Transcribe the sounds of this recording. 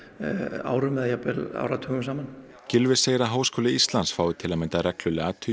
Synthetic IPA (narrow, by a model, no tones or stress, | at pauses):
a̰wɾʏmɛðjapɛla̰wɾat̪ʰœːɣʏmsaːman | cɪlvɪseːjɾaɦaːwskʰɔːlɪist̪lansfaːwðɪt̪ʰɪlamɪnt̪arɛklʏlaːt̪ʰʏ